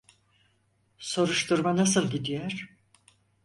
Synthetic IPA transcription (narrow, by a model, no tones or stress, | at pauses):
so̞ɾuʃt̪ʰuɾmanasɯlˠɟid̪ijɛɾ̥